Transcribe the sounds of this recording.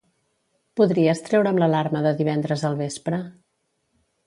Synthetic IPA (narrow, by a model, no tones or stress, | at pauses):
puðɾiəst̪ɾɛwɾəmləlaɾməðəðiβ̞ɛnd̪ɾəzəlˠβespɾə